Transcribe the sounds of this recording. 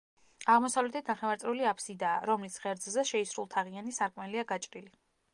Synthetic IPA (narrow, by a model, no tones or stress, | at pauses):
aʁmɔsavlɛt̪ʰɛt̪ʰnaχɛvaɾt̪sʼɛɾuliapʰsid̪aːɾɔmlisʁɛɾd̪zzɛʃɛisɾulˠt̪ʰaʁianisaɾkʼmɛliaɡat͡ʃʼɾili